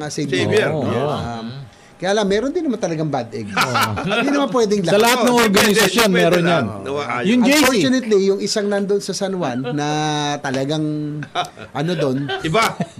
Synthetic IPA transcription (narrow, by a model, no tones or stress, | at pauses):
asejbi | kɐjaːlamːɛːɾond̪ɪnːɐmant̪ɐlɐɡaŋbad̪ʔɛɡ̚ɪnd̪inɐmanpwɛd̪ɪŋlɐsɐlɐhanɐŋʔoɾɡɐnɪsɐsjo̞nmɛːɾonjanjʊŋmd͡ʒfot͡ʃʊnɛt̪lijʊŋʔɪsaŋnand̪onsɐsɐnwanːɐt̪ɐlɐɡaŋ | ʔɐno̞d̪o̞nɪba